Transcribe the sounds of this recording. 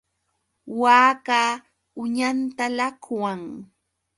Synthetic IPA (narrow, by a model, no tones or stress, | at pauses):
waːkaː | ʊɲant̪alakwaŋ